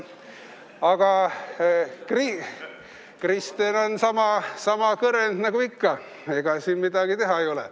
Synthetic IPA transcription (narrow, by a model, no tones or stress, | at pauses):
ɑɡ̥ɑ | kri | krist̪enonsɑmɑsɑmɑkɤɾend̪̥nɑɡ̥uikːɑ | eɡ̥ɑsiːnmid̪ɑɡ̥it̪e̞ɦɑejo̞lɛ̰